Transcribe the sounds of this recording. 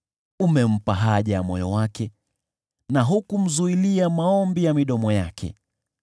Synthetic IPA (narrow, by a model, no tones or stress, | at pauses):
umɛm̩paɦaʄajamɔjɔwakɛ | naɦukum̩zuiliamaɔmbijamiɗɔmɔjakʰɛ̰